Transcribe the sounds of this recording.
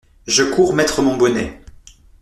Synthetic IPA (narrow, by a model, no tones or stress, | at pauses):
ʒəkʰuʁmɛt̪χəmɔ̃bɔnɛ̰